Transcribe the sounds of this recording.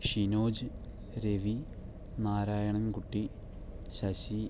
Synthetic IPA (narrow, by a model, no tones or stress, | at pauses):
ʂinoːd͡ʑɨ | ɾeʋi | naːɾaːjɐɳɐmkuʈːi | ɕɐɕi